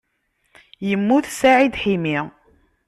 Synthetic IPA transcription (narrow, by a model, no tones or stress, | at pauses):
jəmːuθsaʕid̪ħimi